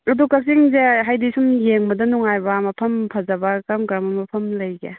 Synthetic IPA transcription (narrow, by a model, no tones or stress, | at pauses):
ɐdukɐk̚siŋzeɦajdisumjeŋbɐdɐnɔŋajbɐmɐpʰɐmpʰɐzɐbɐkamkɾamɐmɐpʰɐmlɐjɡe